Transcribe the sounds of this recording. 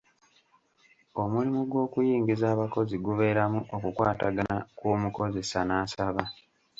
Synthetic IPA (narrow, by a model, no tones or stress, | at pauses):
o̞mulimuɡwo̞ːkujiːŋɡizaːβako̞ziɡuβe̞ːɾamuʔokukwaːta̰ɡanakuːmuko̞ze̞sanaːsaβa